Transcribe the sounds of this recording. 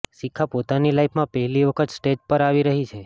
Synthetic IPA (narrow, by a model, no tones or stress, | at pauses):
ʃikʰːapot̪anilajpʰmãpəɦɛliʋəkʰət̪sʈed͡ʒpəɾaʋiɾəɦit͡ʃʰe